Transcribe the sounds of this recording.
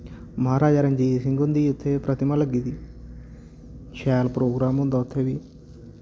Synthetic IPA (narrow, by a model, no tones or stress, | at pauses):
mɐɦɐɾaːd͡ʒɐɾɐɲd͡ʒisiŋɡund̪ijut̪ʰːeːpɾɐt̪imɐlɐɡid̪i | t͡ʃʰaːlpɾoːɡɾaːmund̪ɐːt̪ʰeʋi